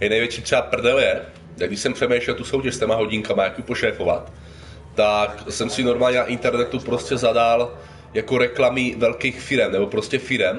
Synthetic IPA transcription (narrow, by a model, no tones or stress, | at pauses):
jɛjnɛjvjɛt͡ʃiːt̪r̥ɛbapr̩dɛljɛ | j̪aɡ̚dɪʃsɛmpr̥ɛmɛjʃlɛlt̪uso̞wcɛʃst̪ɛmaɦo̞ɟiŋkamajakjupo̞ʃɛːfo̞va̰t̪ː | aksɛmsino̞ɾmaːlɲɛnaʔint̪ɛɾnɛt̪upɾo̞scɛzadal | jako̞ɾɛklamɪvɛlkiːxfɪɾɛmnɛbo̞pɾo̞scɛfɪɾɛm